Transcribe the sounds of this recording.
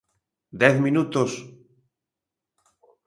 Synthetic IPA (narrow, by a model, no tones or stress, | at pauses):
d̪eθmĩnut̪os